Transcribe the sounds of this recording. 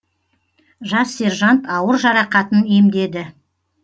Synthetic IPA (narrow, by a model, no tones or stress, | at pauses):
ʒɑsːe̞ɾʒɑnt̪ɑwəɾʒɑɾɑqɑt̪əne̞md̪e̞d̪ɪ